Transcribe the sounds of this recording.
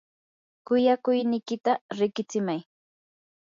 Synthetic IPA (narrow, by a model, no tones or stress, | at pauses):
kʊjakʊjnɪjkɪt̪aɾɪkɪt͡sɪmaj